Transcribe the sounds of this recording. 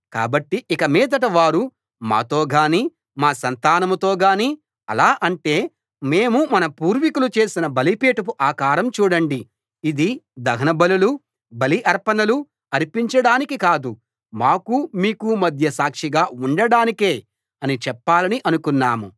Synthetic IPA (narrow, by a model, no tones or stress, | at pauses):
ka̰ːbɐʈːiʔikɐmiːd̪ɐʈ̬ɐʋaːɾu | ma̰ːt̪oːɡaːniː | maːsɐnt̪aːnɐmut̪o̞ːɡaːniː | ɐ̰laːʔɐɳʈe̞ː | me̞ːmumɐnɐpuːɾʋikulut͡ʃe̞ːsinɐbɐlipeːʈɐp̬uʔaːkaːɾɐmt͡ʃuːɽɐɳɖi | id̪id̪ɐɡʱɐnɐbɐlulu | bɐliʔɐɾpɐnɐlu | ɐɾipiɲt͡ʃɐɽaːnikikaːd̪u | maːkumiːkumɐd̪ʱjɐsaːkʂiɡaːuɳɖɐɽaːnike̞ː | ɐnit͡ʃɛpːaːlɐniʔɐnukunːaːmu